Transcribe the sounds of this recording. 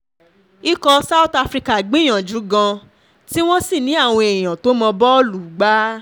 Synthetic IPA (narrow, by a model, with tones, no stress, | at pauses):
i˦kɔ˧sa˦u˦ta˧fɾi˧ka˨ɡ͡bĩ˦j̃ã˨d͡ʒu˨˦ɡã˧ | ti˦w̃ɔ̃˦si˦˨nĩ˨˦a˦˨w̃ɔ̃˧ẽ˨ã˨to˨˦mɔ̃˧bɔ˦lu˨ɡ͡ba˦